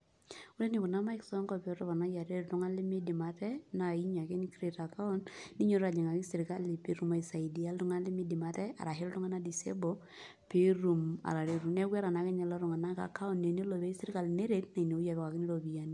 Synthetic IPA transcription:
u˦ɾe˦ni˨ku˨na˦ma˦ɪ˦ksɔ˦ŋkɔ˨pɛ˨˦tɔ˦βa˨na˨˦ja˨ɾe˦ɾtu˦ŋa˦lɪ˦mi˦di˨ma˨tɛ˦na˨i˦ɲa˨ke˦ni˦kɾe˨ta˨ka˦ɔ˦nni˦ɲo˦ɾa˨d͡ʒi˨ŋa˨ki˦sɪ˨ɾka˦li˨pe˨ɾu˨ma˨i˨sa˨i˨di˨a˦ltʊ˦ŋa˦lɪ˦mi˦dɪ˨ma˨tɛ˦a̰˨ɾa˨ɦe˦ltʊ˦ŋa˦na˦di˨sḛ˦bo˦ | pe˦ɾu˨ma̰˨ɾa˨ɾe˦ɾu˨nɛ˦kwɛ˦ɾa˨na˨˦kɛ˦ɲɛ˨lɔ˦ɾʊ˨ŋa˨na˦ka̰˨ka˦ʊ˦nːe˨ni˦lo˨be˦i˦sɪ˦ɾɪ˦ka˨lne˦ɾe˨tna˨i˨ne˨u˦ja˨βka˨kɪ˦ni˦lo˨bi˨ja˦ni˦

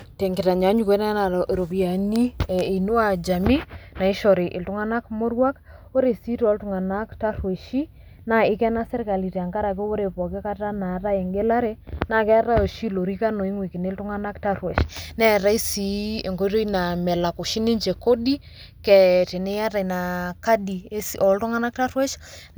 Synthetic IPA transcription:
te˨ŋɡɪ˨ta˨ɲa˨˦ɲu˨ke˦na˦na˨ɾo˨pi˨a˨ni˦˨e˨nu˦a˨d͡ʒa˨mi˦na˨i˦ʃɔ˨ɾe˨ʔɪ˨ltʊ˦ŋa˦na˦kmo˦ɾwa˦k | o˦ɾe˨si˦tɔ˨˦ltʊ˨ŋa˨na˦kta˦rwe˨ʃi˦ | na˨ɪ˦kɛ˦na˦sɛ˦ɾka˨li˨te˨a˨ŋka˦ɾa˨ke˦o˦ɾe˨pɔ˨ke˦ka˦ta˦na˨˦ta˦e˨ŋɡe˦la˦ɾe˦na˦˨kɛ˦a˦ɾa˦jo˨ʃi˦lo˨ɾi˦ka˦no˨i˦ŋwi˨ki˨ne˦ltʊ˦ŋa˦na˦kta˦rwe˨ʃnɛ˦ɾa˦i˦si˨˦e˨ŋko˦ɾo˦i˦na˨mɛ˨la˨ko˨ʃi˦ni˦nt͡ʃe˨ko˦di˦ | kɛ˨te˨ne˦a˦ta˨i˨na˨ka˦di˨e˦sɔ˨˦ltʊ˦ŋa˦na˦k̚ta˦ɾwɛ˦ʃ

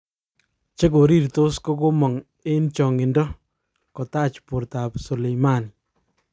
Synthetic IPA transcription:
t͡ʃe˦ko˨ɾi˦ɾto˦sko˦ko˦mɔ˨ŋ | e˦nt͡ʃɔ˨ŋɪ˨ndɔ˦ | kɔ˨ta˦t͡ʃpu˨ɾta˨psu˨le˨jma˦ni

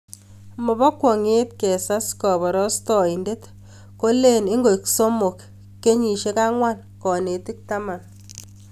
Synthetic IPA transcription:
mɔ˨bɔ˦kwɔ˨ŋe˦tkɛ˨sa˦skɔ˨bɔ˨ɾɔ˦stɔ˨i˨nde˦t | ko˦le˦ne˦ŋɡo˨i˨kso˦mo˨kː | e˦ɲi˨ʃe˦ka˦ŋwa˦n | kɔ˨ne˨ti˦k̚ta˦ma˨n

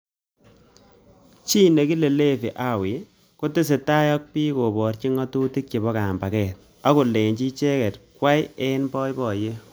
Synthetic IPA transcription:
t͡ʃi˦ne˨ki˦le˨le˦fi˨ʔa˦wɪ˨ | ku˦tɪ˦s̬e˨ta˦jɔ˦k̚piː˦ko˨bɔ˨rt͡ʃi˦ŋɔ˦tu˦ti˦k̚t͡ʃi˨bɔ˦ka˨mba˨kɛː˨t̚ | a˦ku˨le˨nt͡ʃi˦t͡ʃe˦kɛ˨t̚kwa˦je˦nbɔ˦jbɔ˨je˦

